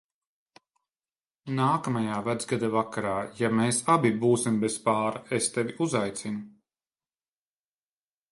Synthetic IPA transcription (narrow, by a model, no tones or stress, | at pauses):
naːkamajaːvad̪zɡad̪avakaɾaːjameːsabibuːsimbɛspaːɾaest̪ɛviuzajt̪sinu